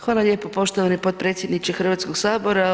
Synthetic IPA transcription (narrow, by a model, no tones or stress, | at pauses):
xʋaːlˠaʎʲe̞ːpopo̞ʃt̪oʋanipo̞t̪̚pɾet̪sʲjed̪nit͡ʃixr̩ʋat̪skoɡsaːbo̞ɾa